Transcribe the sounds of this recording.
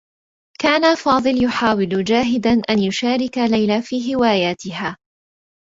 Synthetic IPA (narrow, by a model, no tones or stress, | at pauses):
kaːnafɑːðˤɨljʊħaːwɪld͡ʒaːɦɪd̪anʔanjʊʃaːɾɪkalajlafiːɦɪwaːjaːt̪ɪɦaː